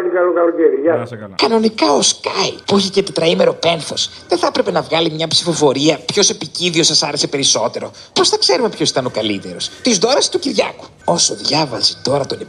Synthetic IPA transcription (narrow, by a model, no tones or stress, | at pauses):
ikɐlukɐluceɾijɐkɐno̞nikɐo̞skɐjpuiçecet̪et̪ɾɐime̞ɾo̞pe̞nθo̞sðeθɐpɾe̞pe̞nɐvɣɐlimɲɐpsi̥fo̞fo̞ɾiɐpço̞se̞piciðio̞sɐsɐɾe̞se̞pe̞ɾiso̞t̪e̞ɾo̞ | po̞sθɐkse̞ɾume̞pçosi̥t̪ɐno̞kɐlit̪e̞ɾo̞st̪izd̪o̞ɾɐst̪uciɾʝɐ̰ku̥ | o̞so̞ðʝɐvɐzit̪o̞ɾɐt̪o̞ne